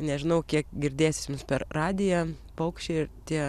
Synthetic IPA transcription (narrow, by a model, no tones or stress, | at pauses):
nʲɛʒʲɪnɐʊkʲiɛkɡʲɪɾʲd̪ʲeːsʲɪsmʊmspʲɛrrɑːd̪ʲɪjɛ | pɐʊkʃʲt͡ʃʲeɪɪt̪ʲiɛ